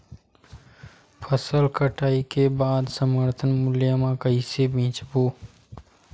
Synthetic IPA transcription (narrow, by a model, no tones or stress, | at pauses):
pʰəsəlkəʈaːikebaːd̪səməɾt̪ʰənmʊljamãkəisebʱĩːt͡ʃboː